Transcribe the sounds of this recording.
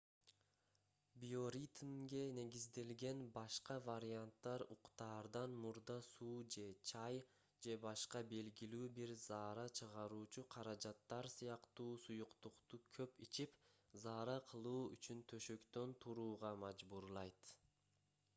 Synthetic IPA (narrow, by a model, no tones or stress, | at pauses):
bio̞ɾʲit̪mɡe̞ne̞ɡʲizd̪e̞lɡe̞nbɑʃqɑvaɾʲiant̪ːɑɾuqt̪ɑːɾd̪ɑnmuɾd̪ɑsuːd͡ʒe̞t͡ʃʰɑj | d͡ʒe̞bɑʃqɑbe̞lɡilyːbiɾzɑːɾɑt͡ʃʰɯʁɑɾuːt͡ʃuqʰɑɾɑd͡ʒɑt̪ːɑɾsɯjɑqt̪uːsujuqt̪uqt̪ukʰø̞pit͡ʃip | zɑːɾɑqʰɯlˠuːy̰t͡ʃynt̪ʰø̞ʃø̞kt̪ø̞nt̪ʰuɾuːʁɑmɑd͡ʒbuɾlˠɑjt̪